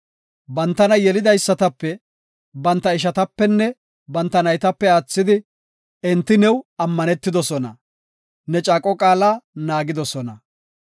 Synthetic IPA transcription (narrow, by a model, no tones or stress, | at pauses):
bɐnt̪ːɐnɐjɛlɪd̪ɐjsːɐt̪ɐpːɛ | bɐnt̪ːɐɪʃ̬ɐt̪ɐpːɛnːɛ | bɐnt̪ːɐnɐjt̪ɐpːɛaːt͡sːɪd̪ɪ | ɛnt̪ːɪnɛwɐmːɐnɛt̪ːɪd̪ɔsɔnɐ | nɛt͡ʃʼaːkʼɔkʼaːlaːnaːɡɪd̪ɔsɔnɐ